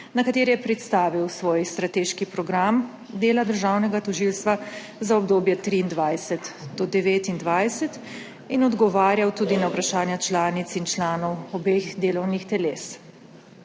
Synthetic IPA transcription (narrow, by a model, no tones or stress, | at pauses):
nakat̪eːɾijɛpɾɛt̪st̪aːʋiwsʋoːjst̪ɾat̪eːʃkipɾɔɡɾam | d̪eːlad̪əɾʒaːwnɛɡat̪ɔʒilst̪ʋa | zaɔb̚d̪oːbjɛt̪ɾiːnd̪ʋajsɛt̪d̪ɔd̪ɛʋeːt̪ind̪ʋajsɛt̪ | inɔd̪ɡɔʋaːɾjawt̪uːd̪inawpɾaʃaːnjat͡ʃlaːnit̪sint͡ʃlaːnɔwɔbeɣd̪eːlɔwnixt̪ɛleːs